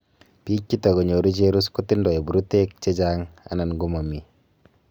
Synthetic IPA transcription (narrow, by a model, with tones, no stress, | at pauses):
piː˦kːi˦ta˨ko˨ɲo˨ɾu˦t͡ʃeɾu˦sku˦ti˦ndɔ˨e˨bu˨ɾu˦te˦k̚t͡ʃe˦d͡ʒaŋa̰˨˦na˨nɡu˦ma˨mi˨